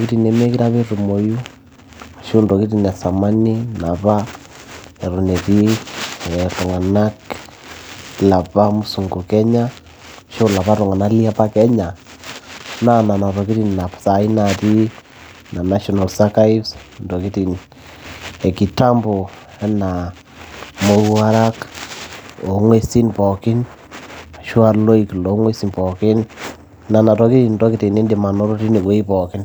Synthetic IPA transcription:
ki˦ti˦˨ne˨me˦ki˦ɾa˦βe˦ɾu˨mo˨ju˦ | ʃo˦ndo˨ki˦ti˦na˨sa˨ma˦ni˦na˨βa˦ | e˨ɾu˨ne˨ɾi˦ | ɛ˨to˨ŋa˨na˦k | la˨pa˦mu˦su˨ŋɡu˨kɛ˦ɲa˦ | ʃo˦la˨βa˦ɾu˨ŋa˨na˦li˦a˦pa˦kɛ˦ɲa˨ | na˦na˨na˨ɾo˨ki˦ɾi˦nna˨βsa˨i˦naɾi˦ | na˨na˦ʃɔ˨na˨lsa˦ka˦i˦vs | ndɔ˨ki˦ti˨n | e˨ki˨ta˦mbo˨ | ɛ˦na˨ | mo˦a˦ɾa˦k | o˨ŋwe˦si˦npɔ˨kɪ˦n | a˨ʃwa˦lo˦iklo˨˦ŋwe˦si˦˨npɔ˨kɪ˦n | na˨na˨tɔ˨ki˦ti˦nndo˦ki˦ti˨ne˦ndi˨ma˨nɔ˦ɾo˦ti˦ni˨kwe˦i˦pɔ˨kɪ˦n

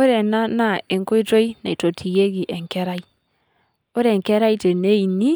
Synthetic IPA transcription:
o˦ɾɛ˨na˦na˦˨e˨ŋko˦i˦to˦i˦na˨i˨to˨tʰi˨je˦ɣi˨ʔɛ˨ŋkɛ˦ɾa˦i˦ | o˦ɾɛ˨ŋkɛ˦ɾa˦i˦te˨ne˦i˨ni˦

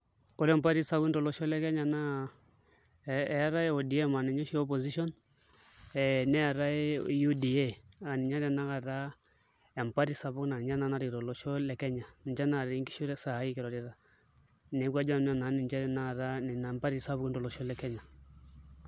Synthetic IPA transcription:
ɔ˦lɛ˦mpa˦ɾi˦sa˦ki˦ndɔ˨lɔ˨ʃɔ˦lɛ˦kɛ˦ɲa˨na˦ | ɛ˨a˦ɾa˦e˦ɔ˨di˨e˦ma˨nɛ˨ɲɔ˦ʃi˦ɔ˦p̬ɔ˨zi˦ʃɔ˦n | ɛ˨nɛ˦a˨ɾa˦e˦ju˦di˨e˦a˨ni˨ɲa˦ɾɛ˦na˦ka˨ɾa˦ | ɛ˨mpa˦ɾi˦sa˨bu˦kna˨n˨d͡ʒa˦na˦na˦ɾi˨ɾɔ˨lɔ˨ʃɔ˦lɛ˨kɛ˦ɲa˨ni˨ɲd͡ʒa˦na˨ɾi˨˦ŋki˦ʃu˦ɾɛ˦sa˨˦i˦kɛ˨ɾɔ˨ɾi˦ɾa˨ | nɛ˨˦kwa˦d͡ʒa˦˨m˦a˨na˨˦ni˨ɲt͡ʃa˦ɾɛ˦˨na˦a˨ɾa˦ni˨na˨mpa˦ɾi˦sa˦βu˦i˦nɾɔ˨lɔ˨ʃɔ˦lɛ˦kɛ˦ɲa˨

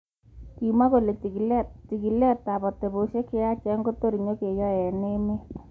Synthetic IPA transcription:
ki˨ma˦ko˨le˨ti˨klti˨ki˨le˦˨t̪a˨bɔ˨te˨bo˨se˦ke˦a˦t͡ʃɛ˨˦ŋɡo˦t̪o˦ɾi˨ɲo˦ke˨jɔ˦jɛ˨ne˦me˦

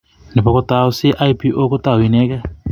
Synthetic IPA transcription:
ne˨pɔ˨ko˦ta˨o˦si˦ʔaipi˦ʔo˦ko˦ta˦wi˨nɛ˦kɛ˦

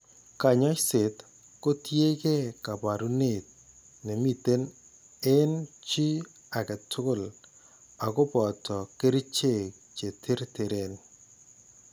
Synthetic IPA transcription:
ka˨ɲɔ˦t͡ʃse˨t | ko˦tje˦ke˦ka˨pa˨ɾu˦ne˦˨t̚ | ne˨mi˨te˦n | e˦nt͡ʃi˦ | a˨kɛ˨tʰʊ˦kʊ˦l | a˨kɔ˦pɔ˨tʰɔ˨ke˦ɾi˦t͡ʃe˦˨k̚ | t͡ʃe˨tʰe˦ɾte˨ɾe˨n

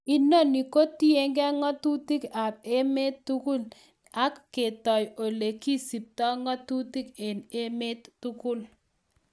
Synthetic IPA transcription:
i˨no˦ni˨ko˦ti˦e˦ŋɡɛ˦ŋɔ˦tu˦ti˦ka˨p̚e˦me˦tːu˦ku˦l | a˦kːe˨tɔ˨jo˨le˨ki˦si˨p̚tɔ˦ŋɔ˦tu˦ti˦ke˨ne˦me˦tːu˦kʊ˦l

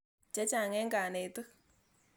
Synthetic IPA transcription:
t͡ʃɛ˦t͡ʃa˨ŋɛ˦ŋɡa˨ne˨t̪ɨ˦

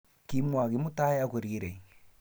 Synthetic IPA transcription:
ki˦mwa˨ɣi˨˦mu˦ta˦je˦a˦ku˨ɾi˦ɾe˨ŋ

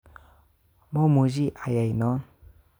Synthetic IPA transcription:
mɔmu˨zi˦ʔa˨ja˨jnɔ

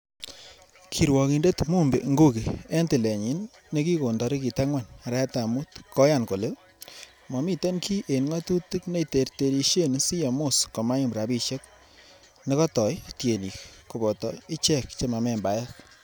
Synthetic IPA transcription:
kʰi˨ɾwɔ˨ki˨nde˦tmu˦mbe˨ŋɡo˦ke˨e˦ntɪ˨le˨ɲi˦nː | e˦ki˦ko˨ndɔ˨˦ɾi˦ki˨ta˦ŋwa˦˨nɾɛ˦a˦ta˨mu˦tkʰɔ˦ja˦˨nko˨le˦ | mɔ˨mi˦te˦nkʰi˦ʔe˨nŋa˦tu˦ti˦kne˦i˨te˨ɾte˨ɾi˧ʃe˦n˦si˦ja˨mo˦˨skɔ˨ma˦ɲi˦mbɾa˨bi˦˧ʃe˦k̚ | ne˦kɔ˦tɔ˨jtje˨ni˨kko˨bɔ˨tɔ˨i˦t͡ʃɛ˦˨kt͡ʃe˦ma˨mɛ˨mba˨˦ja˦k

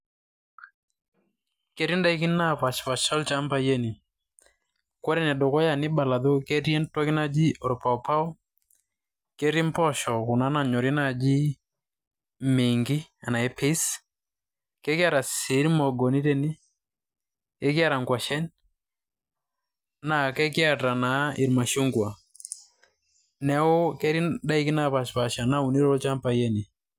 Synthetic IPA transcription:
kɛ˦ɾi˦nda˦i˦ki˦na˦pa˨t͡ʃfa˨ʃɔ˦lt͡ʃa˦mba˦jɛ˦ni˨ | kɔ˦ɾɛ˦˨nɛ˨dɔ˨kɔ˦ja˨nɪ˦ba˨la˨ðo˦ke˦ɾjɛ˦ntɔ˦ki˦na˦d͡ʒi˦ɔ˨ɾpa˨ɔ˨pa˦ɔ˦ | kɛ˦ɾi˦m˦pɔ˦ʃɔ˨ku˨na˦na˨ɲɔ˨ɾɛ˦na˦˨d͡ʒi˦ | me˨ŋɡi˦a˨na˨ɛ˦pʰi˦s | kɛ˦kja˦ɾa˨si˨˦ɾi˦mɔ˨ɡɔ˨ni˦ɾɛ˦ni˦ | kɛ˦kja˦˨ɾa˨ŋɡwa˨ʃɛ˦n | na˨kɛ˦kja˦˨ta˨na˨˦i˨ɾma˨ʃu˦ŋɡwa˨ | nɛ˨˦ɔ˦kɛ˦ɾi˦da˦i˦ki˦na˦pa˨ʃpa˨ʃa˨na˦u˨ni˦ɾɔ˦ɔ˦t͡ʃa˦mpa˨jɛ˦ni˨

